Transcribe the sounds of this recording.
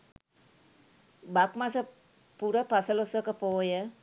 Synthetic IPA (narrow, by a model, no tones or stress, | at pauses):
bakmasə | puɾəpasəlosəkəpoːjə